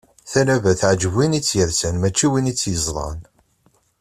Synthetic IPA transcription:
θæɾævæθʕd͡ʒvinit͡sːjəɾsənmæt͡ʃːiwinit͡sːjəzˤlˤɑ̰n

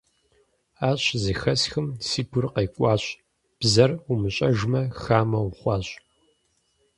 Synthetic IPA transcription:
aːɕʼzɨxɐsxɨmsiːɡʷʊrqɐːkʷʼɑːɕʼ | b̥zɐrumɨɕʼɐʒmɐxaːmɐwχʷɑːɕʼ

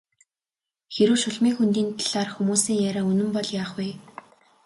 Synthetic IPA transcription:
xeɾŭːʃʊɮmiːŋxunt̪iːnt̪ʰaɮ̥aːrxumuːsiːŋjaɾaːunɵ̆mpɔɮjaːχwiː

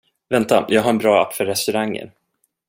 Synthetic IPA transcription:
vɛnt̪ajɑːɡɦaɾɛnbɾɑːa̰pːfœɾɛst̪ɵɾaŋːə̰ɾ

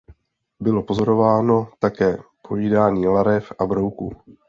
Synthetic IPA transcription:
bɪlo̞po̞zo̞ɾo̞vaːno̞t̪akɛːpo̞viːdaːɲiːlaɾɛfʔabɾo̞wku

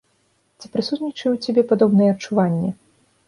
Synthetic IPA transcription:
t͡sʲipɾɨsut̪nʲit͡ʂɨwt͡sʲabʲɛpad̪ɔbnɨjɛɐt͡ʂːuvanʲːɛ

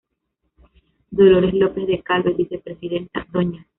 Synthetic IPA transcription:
d̪o̞lo̞ɾe̞zlo̞pe̞zðe̞kalβeβiθe̞pɾe̞siðe̞nt̪a̰d̪oɲa

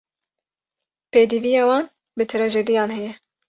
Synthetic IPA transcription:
peːd̪ivijɑːwɑːn | bɨt̪ʰɨɾɛʒed̪ijɑːnhɛjɛ

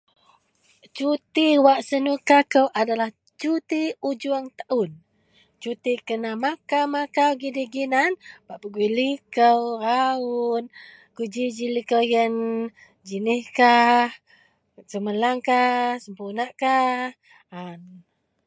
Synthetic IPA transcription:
t͡ʃut̪iwaʔsənukakəwʔadalah | t͡ʃut̪iud͡ʒuaŋt̪aʔun | t͡ʃut̪ikənamakamakawɡidiɡinanbaʔpəɡuilikəwɾaun | kud͡ʒid͡ʒilikəwjən | d͡ʒiniskah | səməlaŋkasəmpunaʔkah | an

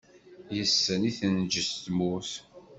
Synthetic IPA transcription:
jəsːəniθənd͡ʒəst̪mʊθ

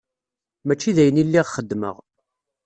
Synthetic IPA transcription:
mæt͡ʃːiðæjənilːiʁχəd̪ːmə̰ʁ

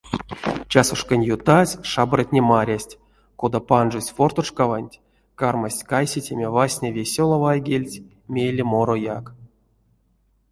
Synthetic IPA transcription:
t͡ʃasuʂkanʲjut̪asʲʂabratʲnʲemaɾʲasʲtʲ | kod̪apanʐusʲfort̪oʂkavanʲtʲ | karmasʲkajsʲetʲemʲevasʲnʲevʲesʲolˠovajɡʲelʲtʲ | mʲejlʲemoɾojak

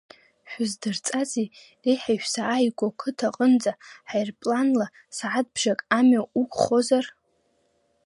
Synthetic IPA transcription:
ħʷᶣʊzdɨrt͡sʼazi | rejħaʃᶣsaːjɡʷokʷʰɨtʰaqʼənd͡zaħajrpʼlanla | saʕad̚bʒakʼamaukʷʰχo̞zar

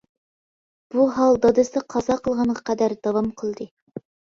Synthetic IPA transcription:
b̥uɦɑlˠd̪ɑd̪ɨsd̪ɨqʰɑzɑqʰəlˠʁɑnʁɑqʰæd̪æɾd̪̥ɑwɑmqʰəlˠd̪ɨ

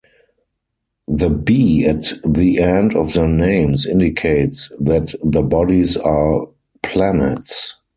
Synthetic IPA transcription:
ðəbiːætðiʔɛ̃ndɔfðənẽɪ̃msɪ̃ndɪkʰeɪtsðætðəbɔdisa | pʰlænə̰ts

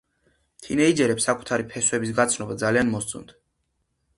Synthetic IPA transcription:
t̪ʰḭnɛid͡ʒɛɾɛpsakʼu̥t̪ʰaɾipʰɛswɛbisɡat̪sʰnɔbad̪zalianmɔst̪sʼṵmd̪̥

